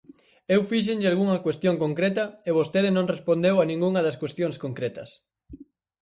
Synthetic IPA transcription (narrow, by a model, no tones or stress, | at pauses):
ewfiʃ̬enʎɪalɣuŋɐkwest̪joŋkoŋkɾet̪ɐeβost̪eðɪnõŋrespond̪ewɐnĩŋɡuŋɐðɐskwest̪jõŋskoŋkɾet̪ɐs